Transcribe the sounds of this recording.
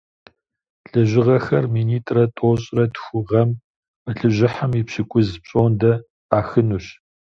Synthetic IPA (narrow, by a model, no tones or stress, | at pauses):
ɬɨʒɪʁɐxɐrmiːniːtʼrɐtʼoːɕʼrɐtxʷʊʁɐm | əɬɨʑɪħamipɕɪkʷʼʊzpɕʼoːndɐ | aːxɨnuːɕ